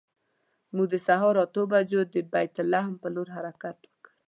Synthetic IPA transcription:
mud̪əsaɦɔɾɔt̪obad͡ʒod̪əbajt̪ʊlːahmpəloɾɦaɾakat̪wəkəɾ

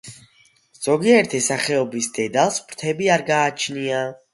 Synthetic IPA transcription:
z̥ɔɡiɛɾt̪ʰɛsaχɛɔbisd̪̥ɛd̪alˠsbɾt̪ʰɛbiaɾɡaːt͡ʃʰnia

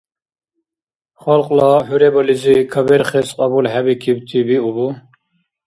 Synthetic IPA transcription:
χɔlqʼlɑɦuɾebɔlizikʰəbeɾχesqʼɑbulɦæbikʰibt̪ʰibiubu

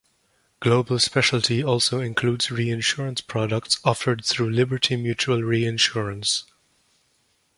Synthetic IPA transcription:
ɡ̥loʊbəl̩ˠspɛʃl̩tʰiɔlˠsoʊɪ̃nkʰl̥udzɹiɪ̃nʃʊɹə̃nspʰɹ̥ɑdək̚tsɔfə˞d̪̚θɹuːlɪbə˞tʰimjʉt͡ʃuəlˠɹiɪ̃nʃʊɹə̃ns

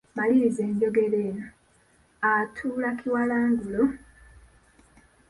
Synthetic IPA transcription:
malize̞ːɲɟo̞ɡe̞leːna | atʰuːlakʰiwalaːŋɡulo

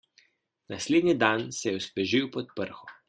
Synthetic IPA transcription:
nasleːd̪nid̪ansɛjɛuspɛʒiwpɔt̪̚pəɾxɔ

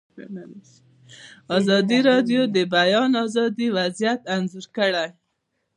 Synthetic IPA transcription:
ɑzɑd̪iɾɑɖjod̪əbajɑnɑzɑd̪iwazjat̪anzuɾkəɽaj

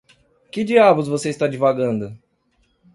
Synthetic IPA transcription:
kɪd͡ʒiabʊzvoseist̪ad͡ʒivaɡɐ̃nd̪ʊ

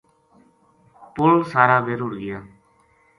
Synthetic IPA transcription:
pʊlsaːɾaːbeːɾʊːɽɡɪjaː

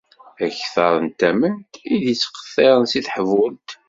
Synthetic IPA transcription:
æçθɑɾˤənt̪æmənt̪iðit͡sːqə̥θˤːeɾˤənsiθħəvʊlt̪

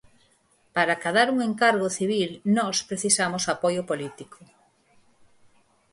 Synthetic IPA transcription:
paɾakaðaɾuŋeŋkaɾɣoθiβilnɔspɾeθisamosapojʊpolit̪ikʰo

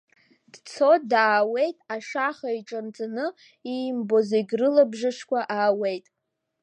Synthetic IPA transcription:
d̥t͡sʰo̞tdaːwe̞jtʼaʂaχaiʈ͡ʂʼant͡sʼanɨ | imbo̞zejɡʲrɨlabʐɨʂkʷaʔaːwe̞jtʼ

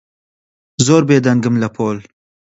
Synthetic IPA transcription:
zoːɾbeːd̪ɐŋɡɨmlɐpʰoːl

